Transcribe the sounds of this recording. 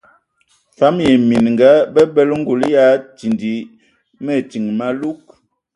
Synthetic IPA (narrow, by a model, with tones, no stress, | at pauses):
fa˦mjɛ˨mi˨nŋɡa˨˦bɛ˦bɛ˦lŋ̩˦ɡu˨lja˦ti˨ndi˨ | mɛ˦˨ti˨ŋma˦lu˦k̚